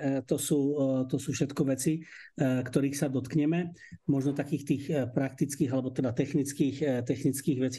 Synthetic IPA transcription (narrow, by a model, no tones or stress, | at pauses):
t̪ɔsuːt̪ɔsuːfʃɛt̪kɔʋɛt͡sikt̪ɔɾiːxsad̪ɔt̪kɲɛmɛmɔʒnɔt̪akiːxt̪iːxpɾak̚t̪it͡skiːɣalɛbɔt̪ɛd̪at̪ɛxnit͡skiːxt̪ɛxnit͡skiːɣʋɛt͡si